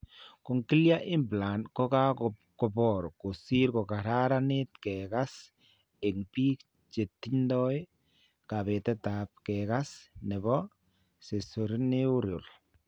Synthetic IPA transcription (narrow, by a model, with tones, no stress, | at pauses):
ko˨ŋki˦lja˦ʔɪ˦mbla˨nkɔ˦ka˦kɔ˨bɔɾko˨si˦ɾkɔ˨ka˨ɾa˦ɾa˦nɪ˦tkɛ˨ka˦s | e˨ŋpi˦k | t͡ʃe˨tːi˦ndɔ˦j | ka˨bɛ˨tɛ˦ta˨p̚kɛka˦snɛ˨bɔ˦ | se˨so˨ɾi˦nɪ˦u˦ɾjo˨l